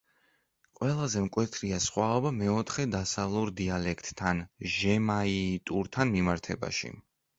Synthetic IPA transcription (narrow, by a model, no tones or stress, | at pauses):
qʼwɛlˠazɛmkʼwɛt̪ʰɾiasχwaɔbamɛɔt̪ʰχɛd̪asavlˠuɾd̪ialɛkʰt̪ʼːʰanʒɛmait̪ʼuɾt̪ʰanmimaɾt̪ʰɛ̰ba̰ʃḭ